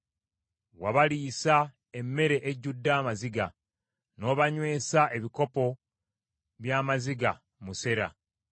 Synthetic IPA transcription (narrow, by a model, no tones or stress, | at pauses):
waβaliːsa | emːe̞ɾe̞ʔeɟudːaːmaziɡa | no̞βaɲwe̞ːsaʔe̞βiko̞po̞ | βjaːmaziɡa | muse̞ɾa̰